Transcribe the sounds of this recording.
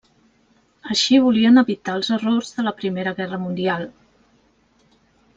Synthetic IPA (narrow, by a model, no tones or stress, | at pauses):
əʃiβ̞uliənəβit̪aəlˠzərorzðələpɾimeɾəɣɛrəmund̪ialˠ